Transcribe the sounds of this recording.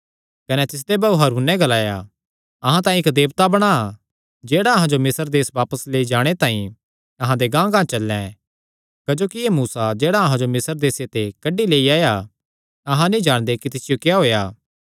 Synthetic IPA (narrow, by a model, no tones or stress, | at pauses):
kɐnɛt̪ɪs̬d̪ebɐuɦɐɾuːnːɛ̃ɡɐlaːja | ɐɦãt̪aːĩɪkd̪eːbt̪abɐɽ̃a | d͡ʒeːɽaɐɦãd͡ʒomɪsəɾd̪eːsʋaːpəsleːid͡ʒaːɽ̃et̪aːĩ | ɐɦãd̪eɡãːɡãːt͡ʃɐlːɛ̰̃ | kɐd͡ʒoːkiemuːsad͡ʒeːɽaɐɦãd͡ʒomɪsəɾd̪eːset̪ekɐɖileːiaːja | ɐɦãnĩd͡ʒaːɽ̃d̪ekit̪ɪsɪjokjaɦoːjaː